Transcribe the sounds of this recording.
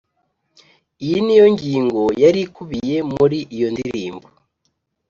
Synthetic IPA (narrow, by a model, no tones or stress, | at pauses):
ijinijo̞ɲɟiːŋɡo̞jaɾikuβije̞muɾiʔijo̞ndiɾḭːmbo